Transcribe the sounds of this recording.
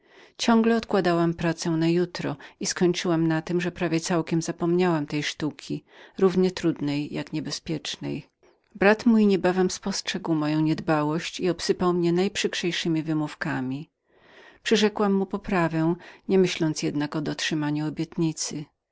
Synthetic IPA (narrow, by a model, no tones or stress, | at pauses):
t͡ɕɔ̃ŋɡlɛɔt̪kwad̪awampɾat̪sɛnajut̪ɾɔiskɔɲt͡ʂɘwamnat̪ɘmʐɛpɾavʲjɛt̪sawkʲɛmzapɔmɲawamt̪ɛjʂt̪ukʲʰiɾuvɲɛt̪ɾud̪nɛjːakɲɛbɛspʲjɛt͡ʂnɛ̰j | bɾat̪mujɲɛbavɛmspɔstʂɛɡwmɔjɔ̃w̃ɲɛd̪bawɔɕt͡ɕiɔpsɘpawmɲɛnajpʂɘkʂɛjʂɘmʲivɘmufkamʲi | pʂɨʐɛkwamːupɔpɾavɛ̃w̃ɲɛmɘɕlɔnt̪sjɛd̪nakɔd̪ɔtʂɘmaɲuɔbʲjɛt̪ɲit̪sɘ